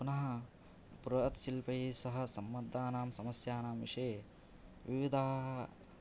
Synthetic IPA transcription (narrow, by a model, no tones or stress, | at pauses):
punɐɦɐ̆ | puɾɐɐt̪silpɐjiːsɐɦɐ̆sɐmːɐd̪ːaːnaːmsɐmɐsjaːnaːmʋiʂeː | ʋiʋid̪ʱaːɦ